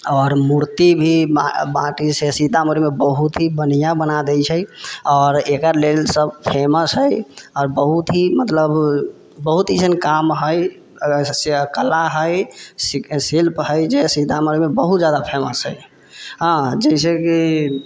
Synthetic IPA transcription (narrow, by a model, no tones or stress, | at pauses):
ɔːɾmuɾt̪ibʱiabãʈisesid̪ʱaməɾimebəɦut̪ɦibənijãbənad̪ɛjt͡ʃʰəjɔːɾekəɾlelsəbpʰeməsɦəjɔːɾbəɦut̪ɦimət̪ləb | bəɦut̪isənkamɦəj | seəkəlaɦəjssilpɦəjd͡ʒesid̪ʱaməɾimebəɦut̪d͡ʒad̪apʰeməsɦəj | ɦãd͡ʒəis̬eki